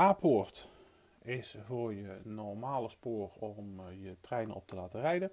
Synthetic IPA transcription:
aːpʰɔrt | ɪsvoːrjənɔrmaːləspoːrɔmjətrɛjnəɔ̰p̚tʰəlaːtərɛjdən

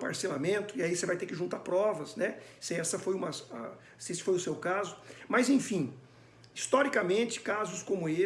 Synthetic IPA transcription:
pa̰ɾselamẽnt̪ʊɪaisevajt̪eɾkɪʒũnt̪apɾɔvɐsnɛsɪɛsɐfojũmɐsa | sɪesɪ̥fojʊsewkazʊmɐzẽfĩ | ist̪ɔɾikɐmẽnt͡ʃɪ̥kazʊskõmʊe

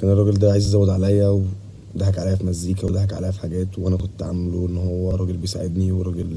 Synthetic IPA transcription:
kæːnerˤːɑɡeld̪æʕajzʔæzæwːed̪ʕalæjːæwe | d̪æɦæɡʕalæjːæfimæzːiːkæwed̪æɦæɡʕa̰læjæfiħaɡæːt̪weʔænækont̪ːʕameloʔenːhowːæɾˤɑɡelbejsa̰ʕed̪niweɾˤːɑɡel

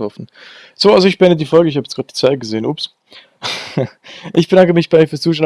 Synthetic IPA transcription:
ɔɐfn̩ | z̥oːʔalzoɪçb̥ɛnədiːfɔlɡəɪçhaːbjɛt͡sɡ̥ʁaːt̚d̥iɐt͡saɪt̚ɡ̥əzeːənʔuːps | ʔɪçb̥ədaŋkəmɪçb̥aɪiːfyɐst͡suːʃøːn

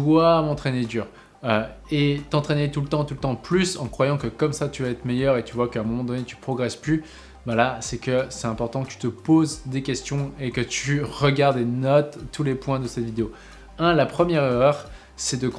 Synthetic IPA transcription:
wamɑ̃t̪χened̪yːʁ | øet̪ɑ̃t̪χenet̪ult̪ɑ̃t̪ult̪ɑ̃plysɑ̃kχwajɑ̃kəkɔmsat̪yvaɛt̪χmejœʁet̪yvwakəɛ̃mɔmɑ̃d̪ɔnet̪y̥pχɔɡʁɛsply | balasɛkəsɛt̪ɛ̃pɔʁt̪ɑ̃kət̪y̥t̪əpozd̪ekʲɛst̪jɔ̃ekət̪ʰyʁəɡaʁd̪enɔt̪ːulepwɛ̃d̪əsɛt̪vid̪eo | ɛ̃lapχəmjɛʁeʁœʁ | sɛd̪ək

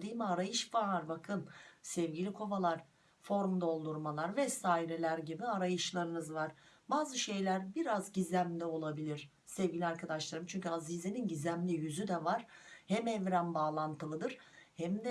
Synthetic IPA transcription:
d̪ijmiaɾajɯʃvaɾbakʰɯnsɛvɟilʲikʰo̞valˠaɾ̥ | fo̞ɾmd̪o̞lˠd̪uɾmalˠaɾvɛsaːiɾelʲæɾɟibiaɾajɯʃlˠaɾɯnɯzvaɾ̥baːzɯʃejlʲæɾbiɾazɟizæmlʲio̞lˠabilʲiɾ̥ | sɛvɟilʲiaɾkʰad̪aʃlˠaɾɯmt͡ʃʰyɲʲcʰyazizeninɟizʲæmlʲijyzyd̪ɛvaɾ̥hɛmɛvɾænbaːlˠant̪ʰɯlˠɯd̪ɯɾ̥hɛmd̪ɛ

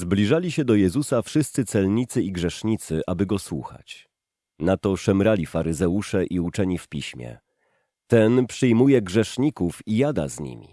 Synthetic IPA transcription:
zblʲiʐalʲiɕɛd̪ɔjɛzusafʂɘst̪sɘt̪sɛlɲit̪sɘiɡʐɛʂɲit̪sɘʔabɘɡɔswuxa̰t͡ɕ | nat̪ɔʂɛmɾalʲifaɾɘzɛuʂɛʔiut͡ʂɛɲifpʲḭɕmʲjɛ̰ | t̪ɛnpʂɘjmujɛɡʐɛʂɲikufijad̪a̰zɲḭmʲḭ

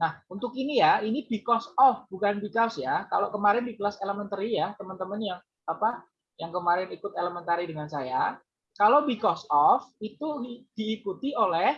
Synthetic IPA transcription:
nahunt̪ʊkinijainibikɔsɔfbukanbikɔsjaka̰lokəmaɾɪndibəlaseləmənt̪əɾijat̪əmənt̪əmənjaŋ | apa | jaŋkəmaɾɪnikʊt̪eləmɛnt̪aɾidəŋansaja | kalowbikɔsɔfit̪ud̥iːkut̪iolɛh

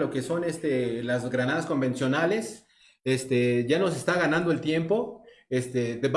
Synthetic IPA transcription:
lo̞keso̞nest̪elazɣɾanað̞asko̞mbe̞nsjo̞nale̞s | est̪eʝano̞se̞st̪aɣanãnd̪oe̞lt̪je̞mpo̞est̪ed̪eb

